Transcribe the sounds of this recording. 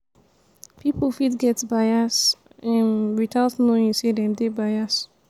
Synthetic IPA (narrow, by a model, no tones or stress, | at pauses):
piplfitɡɛtbaɪas | ɛ̃nwitʰaltnoĩnsedɛ̃mdebajas